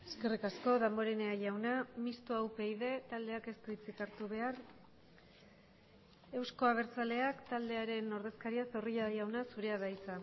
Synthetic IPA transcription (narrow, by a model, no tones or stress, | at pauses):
eske̞rikasko̞ðambo̞ɾeneaʝawnamist̪uawpejð̞e̞t̪ald̪e̞ake̞st̪uit͡sikaɾt̪uβ̞e̞ar | e̞wsko̞aβ̞e̞ɾt͡sale̞akt̪ald̪e̞aɾe̞no̞ɾð̞e̞skaɾiaso̞riʎaðjawnasuɾe̞aðajt͡sa